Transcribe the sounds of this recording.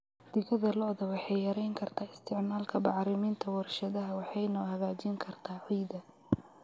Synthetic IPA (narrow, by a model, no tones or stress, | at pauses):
d̪̥ɪɣɐðɐlɔðɐwɑħɑjjɐɾɛjŋkʰɐrt̪ʰaːɪst̪ʰɪʕmaːlkʰɐbɑʕɾɪmiːnt̪ʰɐwɐrʃɐðɐɦɐwɑħɑjnɔːhɐɣaːt͡ʃiːŋkʰɐrt̪ʰaːʔɔjd̪ɐ